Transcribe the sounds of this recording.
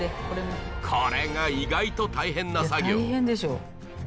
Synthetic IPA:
eoɾenkʰoɾe̞ŋaiɡait̪o̞t̪aiɦẽ̞nːasaɡoɦended͡ʑo

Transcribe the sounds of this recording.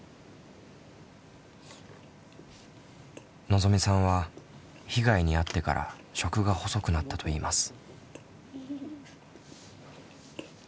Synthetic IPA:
nozo̞mʲisãɰ̃βa | çiɡaiɲ̟iat̪ːe̞ka̰ɾʔa̰ɕo̞kɯ̟ɡaho̞so̞kɯ̟nat̪ːat̪o̞iːmasɨ̥

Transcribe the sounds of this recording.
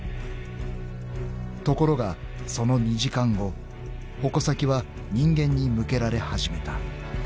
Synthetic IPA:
t̪o̞ko̞ɾo̞ɡa | so̞no̞ɲ̟iʑikãŋɡo̞ | ho̞ko̞sakʲiβa | ɲ̟ĩŋɡẽ̞ɲ̟ːimɯ̟ke̞ɾaɾe̞haʑime̞t̪a

